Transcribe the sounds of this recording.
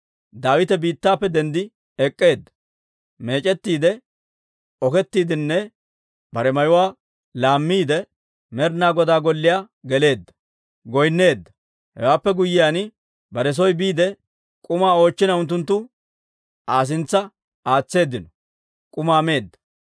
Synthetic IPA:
d̪aːwɪt̪ɛbiːt̪ːaːpːɛd̪ɛnd̪ɪ | ɛkʼːe̞ːd̪ːɐ̥ | meːt͡ʃʼɛt̪ːiːd̪ɛ | ɔkɛt̪ːiːd̪ɪnːɛ | bɐɾɛmɐjʊwaː | laːmːiːd̪ɛ | mɛɾnaːɡɔd̪aːɡɔlːɪjaː | ɡɛle̞ːd̪ːɐ̥ | ɡɔjnːe̞ːd̪ːɐ | hɛ̰waːpːɛɡʊjːɪjaːn | bɐɾɛs̬ɔjbiːd̪ɛ | kʼʊmaːo̞ːt͡ʃːɪnɐʊnt̪̬ːʊnt̪ːʊ | ʔaːs̬ɪnt͡sːɐ | aːt͡sːe̞ːd̪ːɪnɔ | kʼʊmaːme̞ːd̪ːɐ̥

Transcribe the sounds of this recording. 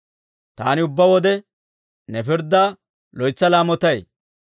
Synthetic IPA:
t̪aːnɪʊbːɐwɔd̪ɛ | nɛfɪɾd̪ːa | lɔjt͡sːɐlaːmɔt̪ɐj

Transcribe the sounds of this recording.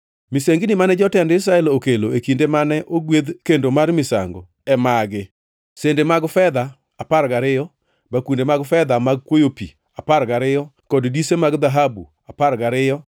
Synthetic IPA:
mɪseŋɡinimanɛd͡ʒɔtɛndɪs̬ɾaɛlokeloekindemanɛʔoɡwed̪kendomaɾmɪsa̰ŋɡo̰ | ɛmaɡɪ | sendemaɡfɛd̪aː | paɾɡaɾɪjɔ | bakundemaɡfɛd̪amaɡ̚kwojopḭ | apaɾɡaɾɪjɔ | kɔddisemaɡd̪aɦabu | apaɾɡaɾɪjɔ

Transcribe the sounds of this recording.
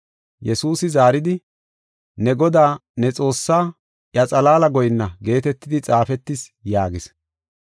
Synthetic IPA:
jɛsuːsɪzaːɾɪd̪ɪ | nɛɡɔd̪aːnɛt͡sʼo̞ːsːaː | ʔjɐt͡sʼɐlaːlɐɡɔjɪnːɐɡe̞ːt̪ɛt̪ːɪd̪ɪt͡sʼaːfɛt̪ːɪsjaːɡɪs

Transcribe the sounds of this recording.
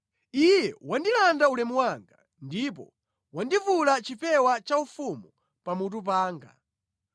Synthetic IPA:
ijɛwandilandaulɛmwaŋɡa | ndip̬ɔ̰ | wandivulat͡ʃipɛwat͡ʃaufumu | pamut̬up̬aːŋɡa̰

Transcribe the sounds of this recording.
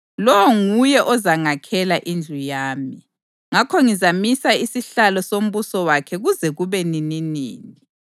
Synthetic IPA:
lɔwɔŋujɛʔɔzaŋakʰɛlaʔind͡ɮʱujaːmi | ŋakʰɔŋizamisaisiɬalɔsom̩βusɔwakʰɛɣuzɛɣuβɛnininḭːni

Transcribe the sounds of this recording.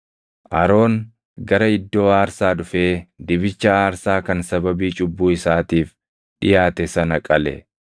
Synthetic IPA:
ʔɐɾo̞ːŋ | ɡɐɾɐɪd̪ːo̞ːaːɾsaːᶑʊfeːd̪ɪβɪt͡ʃːɐaːɾsaːkɐnsɐbɐbiːt͡ʃʼʊbːuːɪsaːt̪iːf | ᶑɪjaːt̪ɛsɐnɐkʼɐlɛ̰

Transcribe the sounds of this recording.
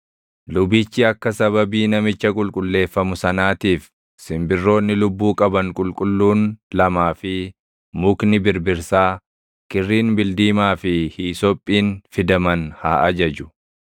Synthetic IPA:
lʊbit͡ʃːɪɐkːɐsɐβɐbiːnɐmɪt͡ʃːɐkʼʊlkʼʊlːe̞ːfːɐmʊsɐnaːt̪iːf | sɪmbɪrːo̞ːnːɪlʊbːuːkʼɐbɐŋkʼʊlkʼʊlːuːnlɐmaːfɪ | mʊknɪbɪɾbɪɾsaː | kɪrːiːnbɪld̪iːmaːfɪhiːsɔpʼːiːnfɪd̪ɐmɐnhaːʔɐd͡ʒɐd͡ʒʊ̥

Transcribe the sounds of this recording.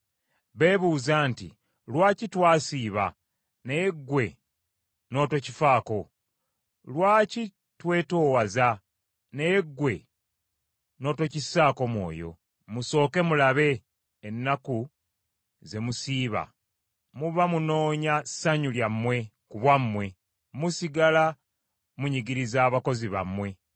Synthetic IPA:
βe̞ːβuːzaːntḭ | lwaːcitwaːsiːβa̰ | neɡːwe̞ | no̞ːto̞cifaːko̞ | lwaːci | twe̞ːtoːwaza | neɡːwe̞ | no̞ːto̞cisaːko̞mwo̞̰ːjo̞̰ | muso̞ːke̞mulaβe̞ː | nːaku | ze̞musiːβa̰ | muβamuno̞ːɲasaɲuljamːwe̞ | kuβwamːwe̞ | musiɡala | muɲiɡiɾizaːβako̞ziβa̰mːwe̞

